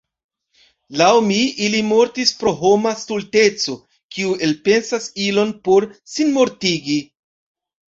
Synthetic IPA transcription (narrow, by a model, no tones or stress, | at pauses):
lawmiilimo̞ɾtispɾo̞ɦo̞mastulte̞t͡so̞ | kiue̞lpe̞nsasilo̞npo̞ɾsinmo̞ɾtiɡi